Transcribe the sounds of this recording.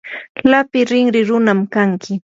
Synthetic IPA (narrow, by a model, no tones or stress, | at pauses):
lapɪɾɪŋɾɪɾʊnamkaŋkʰɪ